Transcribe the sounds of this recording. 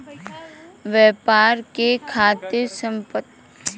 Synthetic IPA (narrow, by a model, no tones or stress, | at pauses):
ʋɛːpaːɾkekʰaːt̪esə̃mpət̪